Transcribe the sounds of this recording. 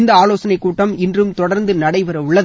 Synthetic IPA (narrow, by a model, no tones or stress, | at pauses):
nd̪ɐaːloːsɐnɐɪkːuːʈːɐmɪndrɯmt̪ɔɽɐɾnd̪ɯnɐɽɐɪpɐɾɐʊɭːɐ